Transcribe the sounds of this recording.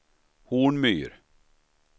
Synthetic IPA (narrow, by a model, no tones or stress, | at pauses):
huːɳmyːɾ